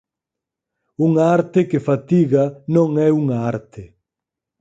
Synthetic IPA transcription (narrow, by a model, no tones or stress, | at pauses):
uŋaaɾt̪ɪkɪfat̪iɣanõŋɛuŋaaɾt̪ɪ